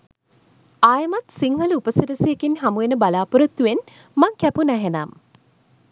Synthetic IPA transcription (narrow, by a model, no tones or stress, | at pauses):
aːjəmat̪siŋɦələupəsiʈəsijekinɦamuʋenəbalaːpuɾət̪ːuʋen | maŋkæpunæɦenam